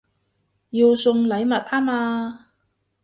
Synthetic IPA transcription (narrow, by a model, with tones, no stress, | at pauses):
jiː˧wsʊ˧ŋlɐ˨˧˥jmɐ˨t̚haː˥maː˧